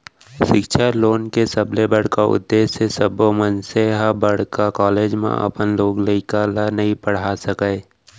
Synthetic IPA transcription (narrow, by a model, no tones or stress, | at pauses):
ʃɪkʃaloːnkesəblebəɽ̤kaʊ̰d̪ːeːʃesəbomənseɦabəɽ̤kakaːleːd͡ʒmḛ̃ʔə̰pənloːɡləɪkalanɐɦĩpəɽ̤asəkəe